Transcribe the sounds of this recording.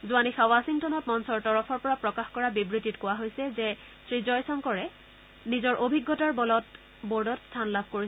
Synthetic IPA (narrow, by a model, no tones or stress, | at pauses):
zuanixawasiŋtɔnɔtmɔnsɔɹtɔɹɔpʰɔɹpɔɹapɹɔkaxkɔɹabibɹititkʊwaɦojsɛzɛ | sɹizɔjsɔŋkɔɹɛ | nizɔɹʔobʱiɡːɔtaɹbɔlɔt | boɹdɔtstʰanlab̚ʱkoɹi